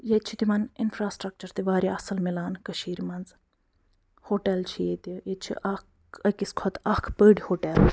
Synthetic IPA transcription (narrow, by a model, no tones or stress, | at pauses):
jet͡ʃʰit̪imɐninfɾaːsʈɾɐk̚t͡ʃɐɾt̪iʋaːɾʲiɐsɐlmilaːnkɐʃiːɾimɐnz | hoːʈelt͡ʃʰijeːt̪ijet͡ʃʰḭʔɐk | ɐkiskʰot̪ɐkʰpəːɽʲihoːʈel